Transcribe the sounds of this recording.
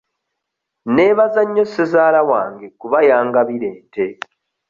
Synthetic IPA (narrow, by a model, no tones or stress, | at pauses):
ne̞ːβazaɲːo̞sezaːlawaːŋɡekuβajaːŋɡaβiɾe̞ːnte